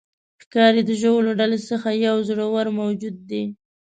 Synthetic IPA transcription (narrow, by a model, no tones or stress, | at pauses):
xkɑɾid̪əʒowloɖalesəxajawzəɽawaɾmawd͡ʒud̪̚ːe